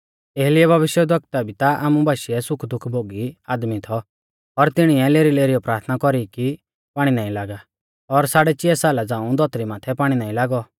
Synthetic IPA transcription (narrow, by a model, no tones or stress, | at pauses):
eːɦlɪɛbʱɐʋɪʃjɛd̪ʱɔkt̪abit̪aʔa̰ːmũbʱaːʃiɛsʊkʰd̪ʊkʰbʱoːɡiaːd̪mit̪ʰɔ | ɔɾt̪ɪɽ̃iɛleːɾileːɾijɔpɾaːɾt̪ʰnakɔɾiki | paːɽ̃inaːĩlaːɡa | ɔɾsaːɽɛt͡ʃɪɛsaːlad͡zãːũd̪ʱɔt̪ɾimaːt̪ʰɛpaːɽ̃inaːĩlaːɡɔ